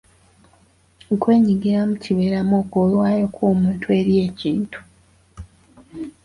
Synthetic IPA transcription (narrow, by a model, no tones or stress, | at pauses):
ŋkwe̞ːɲiɡiɾamuciβeɾamoːkolwaːjo̞kʰwoːmuːntʰwe̞ɾje̞ːciːntu̥